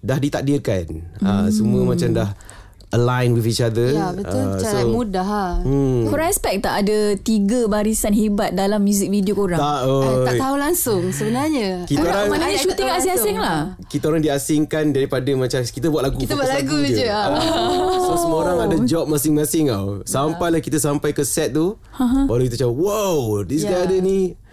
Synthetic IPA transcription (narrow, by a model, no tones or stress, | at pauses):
dahdit̪ak̚dirkanasəmuəmat͡ʃamdah | ʔəlajnwifit͡ʃad̪əbəʊlasomudaɦakoɾãŋɛspɛk̚t̪aʔadət̪iɡəbaɾisanɦibat̪̚dalamːjuzɪk̚vidiokoɾãaoat̪aulaŋsʊŋsəbənarɲəkit̪aɾaŋmanaɲaʃut̪ɪŋasɪŋasɪŋlah | kit̪əoɾaŋdiasɪŋkandaɾipadəmãt͡ʃamkit̪əbwat̪̚laɡuibuat̪laɡud͡ʒə | səsəmoɾaŋadad͡ʒɔp̚masɪŋmãsɪŋa̰wsampajlahkit̪əsampajkəsɛt̪̚t̪u | ãɦãwalawkit̪ət͡ʃawəwawdisɡajadəni